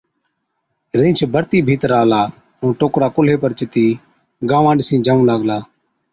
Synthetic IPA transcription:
ɾẽːt͡ʃʰbəɾt̪iːbʱiːt̪ɾaːlaː | ũːʈoːkɾaːkʊleːpəɾt͡ʃɪt̪iː | ɡãːʋãːɳɖsĩːd͡ʒaːũːlaːɡlaː

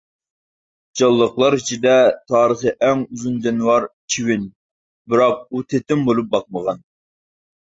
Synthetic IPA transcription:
d͡ʒɑlˠːəqlˠɑɾit͡ʃʰid̪ɛt̪ʰɑːɾəχəʔɛŋuzund͡ʒ̪ɛnwɑɾt͡ʃʰiwɪn | bɪɾɑq̚ut̪ʰet̪ɪmbolˠup̚bɑq̚məʁɑn

